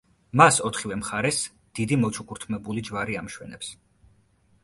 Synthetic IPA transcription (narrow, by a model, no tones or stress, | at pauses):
masɔt̪ʰχivɛmχaɾɛs | d̪̥id̪imɔt͡ʃʰukʼuɾt̪ʰmɛbulid͡ʒvaɾiamʃwɛ̰nɛps